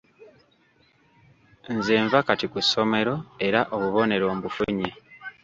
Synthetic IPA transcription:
nzeːɱvakatikusːo̞me̞ɾo̞e̞ɾaʔo̞βuβo̞ne̞ɾo̞ːmbufuɲe

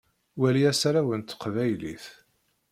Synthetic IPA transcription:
wæliæsɾæwənt̪ːə̥qvæjlḭθ

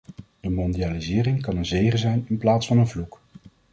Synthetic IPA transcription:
d̥əmɔndijaːlizɪːrɪŋkɑnənzejχəzɛjnɪnplaːtsfɑnənvluk

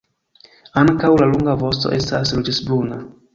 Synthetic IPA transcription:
aŋkawlaluŋɡavo̞stoʔe̞staslud͡ʒesbluna

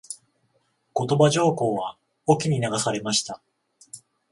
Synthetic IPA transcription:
ko̞t̪o̞baʑo̞ːko̞ːβa | okʲiɲ̟inaɡasaɾe̞maɕi̥t̪a

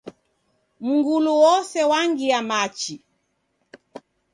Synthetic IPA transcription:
m̩ŋɡuluwɔsɛwaŋɡiamat͡ʃi

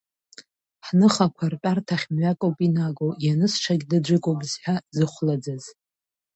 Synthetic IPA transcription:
ħnɨχakʷʰarpʼartʰaχʲmɥakʼowpʼinaɡojanɨsʂʰaɡʲdad͡ʒʷɨkʷʼowbzħᶣazɨχʷlad͡zaz̥

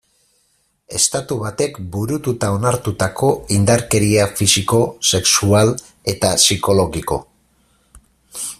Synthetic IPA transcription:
e̞st̪at̪uβat̪e̞kbuɾut̪ut̪ao̞naɾt̪ut̪ako̞ind̪aɾke̞ɾiafisiko̞se̞ksual | e̞t̪asiko̞lo̞ɣiko̞̰

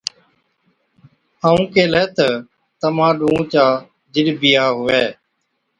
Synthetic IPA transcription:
haːũːkeːləːt̪ə | t̪əmãːɗũːt͡ʃaː | d͡ʒɪɗbɪjaːɦʊʋeː

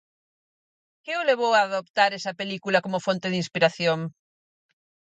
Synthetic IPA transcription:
keoleβ̞owaðopt̪aɾesɐpelikulakomofont̪eð̞inspiɾaθjoŋ

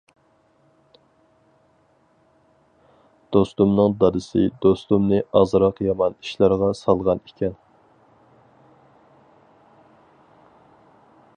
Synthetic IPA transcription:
d̪̥ost̪umnɨŋd̪ɑd̪ɨsɪd̪ost̪umnɨʔɑzɾɑqjɑmɑniʃlˠɑɾʁɑsɑlˠʁɑnekʲʰɛn

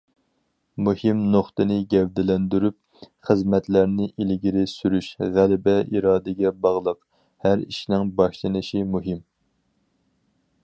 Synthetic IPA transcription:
muhɪmnoχt̪ɨnɪɡʲɛwd̪ɪlɛnd̪yɾyp̚ | χəzmɛt̪læɾnɪʔilɡʲiɾɪsyɾyʃʁælɪbɛʔiɾɑːd̪ɪɡʲɛbɑʁlˠəq | hæɾḭʃnɪŋbɑʃlˠɨnɨʃimuɦɪm

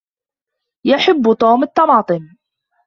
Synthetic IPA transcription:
jaħɪbːt̪ˤoːmɑt̪ːɑmɑːt̪ˤɨm

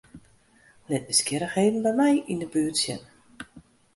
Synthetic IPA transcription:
lɪt̚bəskjɪɾəxheːvən̩bɛjmɛjindəbyətsjə̰n

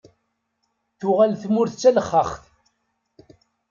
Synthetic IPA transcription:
θʊʁælθmʊɾθt͡sːæləχːəχθ

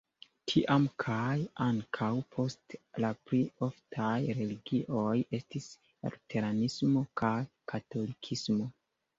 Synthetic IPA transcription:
tʰiʔamkʰajaŋkʰawpʰo̞stlaplio̞ftʰajɾe̞liɡiʔo̞je̞stis | ḛɾtʰe̞ɾanismo̞kʰajkʰato̞likʰismo̞

